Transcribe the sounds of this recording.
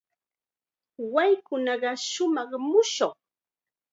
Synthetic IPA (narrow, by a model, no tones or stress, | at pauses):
wajkʊnɑɢɑʃʊmɑχmʊʃoχ